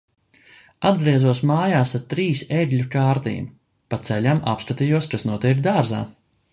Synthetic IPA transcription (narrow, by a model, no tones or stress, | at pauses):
ad̪ɡɾiɛzuɔsmaːjaːsaɾt̪ɾiːseɡʲlʲukaːɾt̪ḭːm | pat̪sɛlʲama̰pskat̪ijuɔskasnuɔt̪iɛɾkd̪aːɾza̰ː